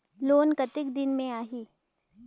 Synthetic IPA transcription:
loːnkɐt̪ɪkd̪ɪnmẽaːɦiː

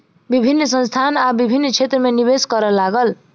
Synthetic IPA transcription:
bibʱinːsʌnst̪ʰanabibʱinːt͡sʰet̪rʌmenibeskʌɾʌlaɡʌl

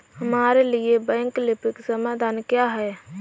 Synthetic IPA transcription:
həmaːɾeliebɛ̃ŋklɪpɪksəmad̪ʱaːnkjaɦɛ

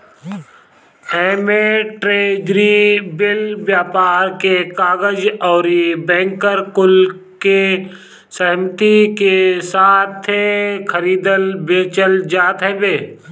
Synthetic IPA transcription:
ɛːmeʈɾeːd͡ʒɾibɪlbjaːpaːɾkekaːɡəd͡ʒɔːɾibɛ̃ːŋkəɾkʊl | ke | sɛɦmt̪ikesaːt̪ʰːekʰəɾiːd̪əlbeːt͡ʃəld͡ʒaːt̪ɦɛːbeː

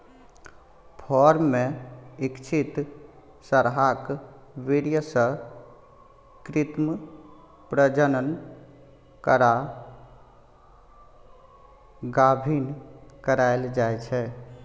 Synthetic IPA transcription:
pʰɔɾmːẽikt͡ʃʰit̪ | səɾɦak | ʋeɽijəsə̃ | kɾɪt̪m | pɾəd͡ʒənən | kəɾa | ɡabʱinkəɾaɪld͡ʒajt͡ʃʰɛ

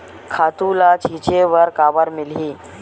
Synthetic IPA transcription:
kʰat̪ulat͡ɕit͡ɕeʋəɾkaʋəɾmilɦiː

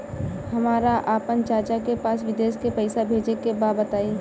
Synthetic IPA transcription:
hɐmaːɾaʔaːpənt͡ʃaːɾt͡ʃakepaːsʋɪd̪eːʃkepəɪsabʱeːd͡ʒekebaːbət̪aːĩ

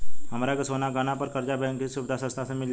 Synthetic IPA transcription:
ɦəmɾaɡəsonaɡəñapəɾkəɾd͡ʒabəŋkisubd̪ʱasəst̪asəmil

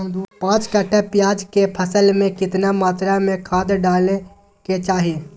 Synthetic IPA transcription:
d̪uːpãːt͡ʃkəʈepjaːd͡ʒkepʰəsəlmẽkɪt̪namaːt̪ɾamẽkʰaːd̪ɖaːle | ket͡ʃaːɦeː

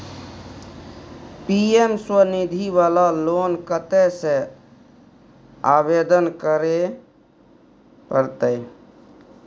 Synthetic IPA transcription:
piemswənid̪ʱiβalalonkət̪ɛsẽ | abed̪ənkəɾe | pəɾt̪əj

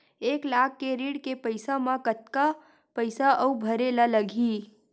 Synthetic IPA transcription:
eːklaːkʰːeɾiːɽkepəɪsamãkət̪̚ka | pəɪsaʔəubʱɐɾelaləɡʱiː

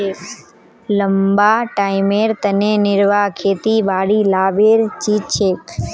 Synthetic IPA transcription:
e | ləmbaʈaːimeɾt̪ənenɪɾʋakʰeːt̪ibaːɽilaːʋeɾt͡ʃit͡ʃʰeːk

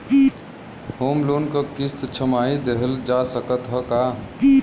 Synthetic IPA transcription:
homlonkəkist̪t͡ʃʰəmaid̪eɦəld͡ʒasəkət̪ɦəka

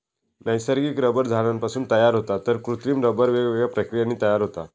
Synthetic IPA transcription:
nəjsəɾɡiːkɾəbəɾd͡zʱaɭanpasuːnt̪əjaɾɦot̪at̪əɾkɾut̪ɾiːmɾəbəɾʋeɡʋeɡɭapɾəkɾijaniːt̪əjaɾɦot̪a

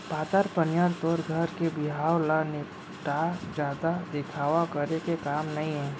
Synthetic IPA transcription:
paːt̪əɾpənjaːɾt̪ɔːɾɡʱəɾkebɪɦaːwlanɪ | ʈad͡ʒjaːd̪ad̪ɪkʰaːʋakəɾekekaːmnɐɦĩɦɛ̃ː

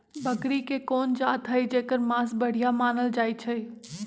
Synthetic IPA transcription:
bəkɾikekoːnd͡ʒaːt̪ɦəjd͡ʒeːkəɾmãsbəɽ̤ijamaːnəld͡ʒaːjt͡ʃʰəj

